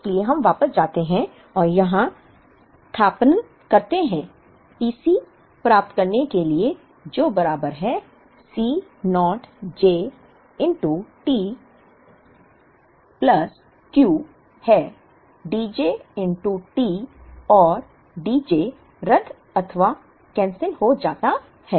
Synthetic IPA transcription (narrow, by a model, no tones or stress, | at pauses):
ɪɪslieɦɐ̃mʋaːpəsd͡ʒaːt̪eɦɛ̃ | ɔːɾjɐɦã | ʈ̪ʰaːpənə | kɐɾt̪eɦɛ̃ː | iːsi | pɾaːp̚t̪kɐɾnekelie | d͡ʒoːbɐɾaːbəɾɦɛ | siːnɔːʈd͡ʒeː | ɪ̃ɳʈuʈiː | pləs | kjuː | hɛː | ɖiːd͡ʒeːɪ̃ɳʈuʈiːɔːɾ | ɖiːd͡ʒeː | ɾət̪ʰ | ɐt̪ʰəʋa | kɛ̃ːnsənɦod͡ʒaːt̪a | hɛː